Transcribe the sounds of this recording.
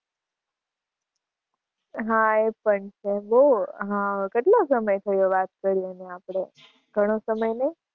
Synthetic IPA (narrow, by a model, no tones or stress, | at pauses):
ɦãepəɳt͡ʃʰeboɦãkeʈlosəməjt̪ʰəjoʋat̪̚kəɾijoneapɽ̃e | ɡʱəɽ̃osəməjne